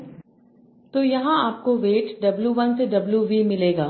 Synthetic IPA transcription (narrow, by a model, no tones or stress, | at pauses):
t̪ojɐɦãaːp̚koʋeːʈɖɐbljuʋɐnseɖɐbljuʋimɪleːɡaː